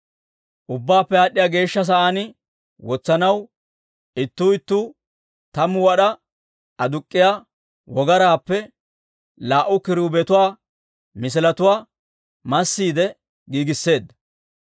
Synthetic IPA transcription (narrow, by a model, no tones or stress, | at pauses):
ʔʊbːaːpːɛaːɗːɪjaːɡe̞ːʃːɐs̬ɐʔaːnɪ | wɔt͡sːɐnɐw | ɪt̪ːuːɪt̪ːuː | t̪ɐmʊwɐɗɐ | ɐd̪ʊkʼːɪjaː | wɔɡɐɾaːpːɛ | laːʔʊkɪɾuːbɛt̪ʊwaː | mɪs̬ɪlɐt̪ʊwaː | mɐsːiːd̪ɛ | ɡiːɡɪsːe̞ːd̪ːɐ